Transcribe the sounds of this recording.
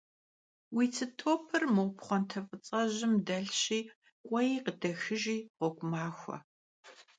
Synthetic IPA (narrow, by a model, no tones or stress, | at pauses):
wiːt͡sʰɨtʰoːpʰɨrmɨwʷpχʷɔntʰɐfʼɨt͡sʼɐʑɪmdɐɬɕiː | kʷʼɔjiːqədɐxɨʒiːʁʷɔkʷʼʊmaːxʷɐ̰